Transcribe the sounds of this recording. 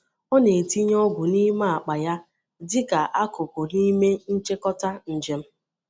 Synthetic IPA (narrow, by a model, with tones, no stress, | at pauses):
o˦ne˨ti˦ɲ˦ɔ˦ɡʷʊ˨ni˦ma˦a˨k͡pa˨ja˦ | dɪ˦ka˨ʔa˦kʊ˨pʊ˨ni˦me˦n̩˦t͡ʃe˦kɔ˦ta˦n̩˨d͡ʒe˨m̩˦